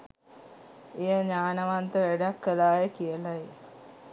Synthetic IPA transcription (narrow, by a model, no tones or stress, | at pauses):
ejəɲaːnəʋant̪əʋæɖakːəlaːjəkijəlae